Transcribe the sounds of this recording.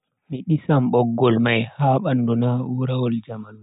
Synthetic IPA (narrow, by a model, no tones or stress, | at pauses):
miɗisamɓɔɡːɔlmajhaːɓandɔnawuɾawɔld͡ʒamalu